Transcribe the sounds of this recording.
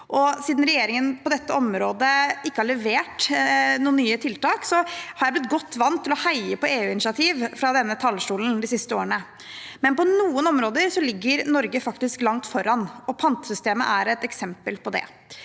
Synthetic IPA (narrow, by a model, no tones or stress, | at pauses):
ʔɔsiːd̪nɾɛjeːɾɪŋənpɔd̪ɛt̪ːəɔmɾoːd̪əɪkːəhɑɭɛʋeːʈnuːənyːət̪ʰɪlt̪ɑːksɔhɑɾjæɪblɪt̪̚ɡɔt̪ːʋɑnt̪ʰːɪlɔhæɪəpɔeːʉːɪnɪsɑt̪ʰiːʋfɾɑd̪ɛnːət̪ʰɑlːʂʈuːln̩d̪ɪsɪst̪əoːɾəɳə | mɛnpɔnuːənɔmɾoːd̪əɾsɔlɪɡːəɾnɔɾɡəfɑkt̪ɪsklɑŋt̪fɔɾɑnɔpʰɑnt̪sʏst̪eːmə̰ʔæɾɛt̪ɛksɛmpəlpɔd̪ɛ̰